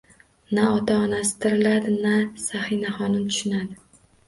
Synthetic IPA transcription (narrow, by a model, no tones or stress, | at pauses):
naɒt̪ʰaɒnasɪ̥t̪ʰɪɾɪlad̪ɪnasahɪnaχɒnʊmt̪ʰʊ̥ʃɪnad̪ɪ